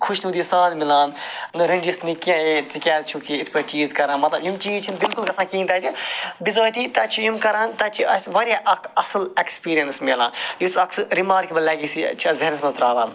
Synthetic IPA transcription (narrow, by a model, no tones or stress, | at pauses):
kʰuʃnuːd̪isaːd̪milaːnnɨɾɐ̃ɳd͡ʒisnikãjet͡sikʲaːɾt͡ʃʰukiit̪ʰpɐt͡ʃiːzkɐɾãːnmɐt̪lɐbjumt͡ʃiːt͡ʃʰinbilkulkɐsʰãːkiːnt̪aːt̪ʰibizoːjt̪it̪ɐt͡ʃʰijumkɐɾãːnt̪ɐt͡ʃʰiɐsʋɐɾjaʔɐkɐsɐlekspiːɾijɐnsmeːlãːnjusɐksɨɾimaːɾkibɐlɐːɡisḭt͡ʃʰiɐzɐɦnɐsmɐzɾaːʋaːn